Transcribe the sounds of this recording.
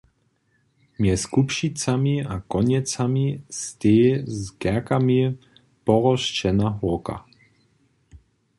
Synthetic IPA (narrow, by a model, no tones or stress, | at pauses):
mjɛskupʃit͡samiakɔɲɛt͡samist̪eːzɡɛɐkami | pɔʁɔʃt͡ʃɛnaɦuka̰